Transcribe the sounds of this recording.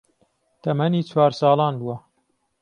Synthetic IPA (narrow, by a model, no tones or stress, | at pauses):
t̪ʰɐmɐniːt͡ʃʰwaːɾsɑːlɑːnbuwɐ